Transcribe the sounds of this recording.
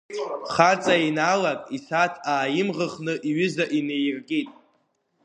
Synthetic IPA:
χat͡sʼainalakʼisatʰaːjɪmʁəχnɨʔiɥʏzaʔinejrɡʼitʼ

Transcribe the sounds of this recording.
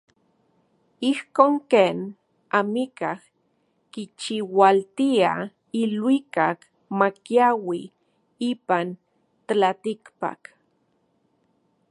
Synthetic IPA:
ihkoːŋkeːn | amikah | kit͡ʃiwalt̪ia | ilwikak | makjawi | iːpan | t̪alat̪ikpa̰k

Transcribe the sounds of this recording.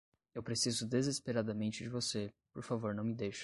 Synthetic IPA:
ewpɾesizʊd̪ezespeɾad̪ɐmẽnt͡ʃɪd͡ʒɪvose | poɾfavoɾnɐ̃w̃mɪd̪ejʃɐ̥

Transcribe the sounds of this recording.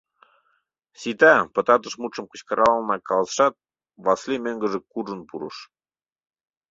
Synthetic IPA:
sit̪æpɤ̆t̪ɑt̪̬ə̆ʃmut͡ʃɤ̆mkə̆t͡ɕkɤɾʔɑlnɑkɑləsʃɑt̪̚ | βɑslʲimeŋɡə̆ʒĕkuʐə̆npuɾɤ̰ʃ

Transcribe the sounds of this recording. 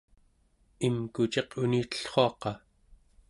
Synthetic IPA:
imkut͡ʃe̞qʰuniːt̪ə̥ɬχo̞ɑqɑ

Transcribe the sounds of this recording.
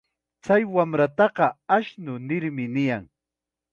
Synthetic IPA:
t͡sajwamɾat̪ɑɢɑaʃnʊnɪɾmɪnɪjaŋ

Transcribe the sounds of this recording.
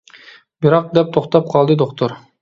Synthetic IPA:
biɾɑq̚d̪ɛp̚t̪ʰoχt̪ɑp̚qʰɑlˠd̪ɨd̪oqt̪ʰoɾ

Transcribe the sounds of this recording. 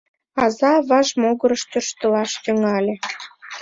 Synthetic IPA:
ɑzɑβɑʒmoɣəɾəʃt̪ørʃt̪əlɑʃt̪ə̆ŋɑlʲe

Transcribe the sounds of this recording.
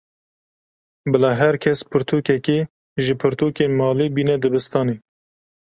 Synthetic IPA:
bɨlɑːɦɛɾkʰɛspʰɨɾt̪ʰuːkɛke | ʒɨpʰɨɾt̪ʰuːkeːnmɑːliːbiːnɛd̪ɨbɨst̪ɑːneː

